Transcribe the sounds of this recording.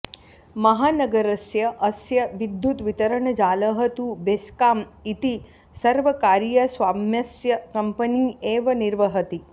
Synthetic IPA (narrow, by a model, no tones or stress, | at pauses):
mɐɦaːnɐɡɐɾɐsjɐʔɐsjɐʋid̪ːjut̪ʋit̪ɐɾɐɳɐd͡ʒaːlɐɦɐt̪ubeskaːmit̪i | sɐɾʋɐkaːɾjɐsʋaːmjɐsjɐkɐmpɐniːeːʋɐniɾʋɐɦɐt̪i